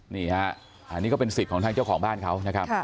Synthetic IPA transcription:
niː˧˥˩ha˦˥ | ʔni˦˥kɔː˥˩pe˧nsi˨˩p̚kʰɔː˨˩˦t̪ʰaː˧ŋt͡ɕa˥˩wkʰɔː˩˦ŋɓaː˥˩nkʰa˦˥wna˦˥kʰa˦˥k

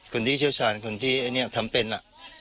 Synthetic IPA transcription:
kʰo˧nt̪ʰiː˥˩sʰi˥ə˧wsʰaː˧˦nkʰo˧nt̪ʰiː˥˩ʔa˨˩ni˥˩ə˨˩k̚t̪ʰa˧˦mpe˧nla˨ʔ

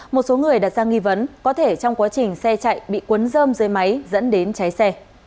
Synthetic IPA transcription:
mo˨˩t̚so˨˦ŋɨ˨˩əjɗaː˨˩t̚zaː˧ŋi˧və˨˦nkɔ˨˦t̪ʰe˧˩t͡ɕɔ˧wŋ͡mkwaː˨˦t͡ɕï˨˩ŋ̟sɛ˧t͡ɕa̰ː˧˨jɓḭ˧˨kwə˨˦nzəː˧mzɨ˧˩əjma˨˦jzə̰˧˥nɗe˨˦nt͡ɕa˨˦jsɛ˧

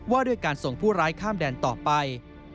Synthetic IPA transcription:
waː˥˩du˥˩əjkaː˧nso˨˩ŋpʰuː˥˩ɾaː˦˥jkʰaː˥˩mdɛː˧nt̪ɔː˨˩pa˧j

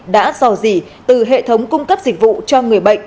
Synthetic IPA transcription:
ɗa̰ː˧˥zɔ˨˧˩zi˨˩ | t̪ɨ˨˩ɦḛ˧˨t̪ʰə˨˦wŋ͡mkʊ˧ŋ͡mkə˦˥p̚z̥ï˨˩k̟̚vṵ˧˨t͡ɕɔ˧ŋɨ˨˩əjɓə̰˧˨jŋ̟

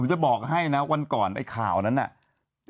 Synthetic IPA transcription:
o˩˦mt͡ɕa˨˩bɔː˨˩k̚ha˥˩jna˦˥wa˧nkɔː˨˩nʔa̰˧˩jkʰa̰ː˨˩wna˦˥nːʔa̰˨˩ʔ

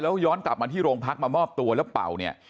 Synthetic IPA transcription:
lɛː˦˥wjɔː˦˥nkla˨˩p̚maː˧t̪ʰiː˥˩ɾoː˧ŋpʰa˦˥k̚maː˧mɔː˥˩p̚t̪u˧ɐlɛː˦˥wpa̰˨˩wni˥˩ɐ

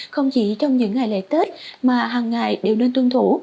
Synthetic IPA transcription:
xə˧wŋ͡mt͡ɕḭ˧˩t͡ɕɔ˧wŋ͡mɲɨ̰˧˥ŋːa˨˩jlḛ˧˨˥t̪e˦˥t̚maː˨˩ɦaː˨˩ŋːa˨˩jɗe˨˩wne˧nt̪ɨ˧ŋt̪ʰu˧˦

